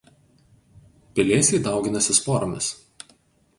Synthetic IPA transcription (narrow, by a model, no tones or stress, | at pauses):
pʲɪlʲeːsʲɛɪd̪ɑˑʊɡʲɪnɐsʲɪspoːɾomʲɪs